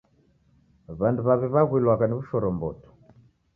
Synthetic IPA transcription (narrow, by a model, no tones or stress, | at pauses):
βanduβaβiβaɣwilwakaniβuʃɔɾɔmbɔ̰tɔ̥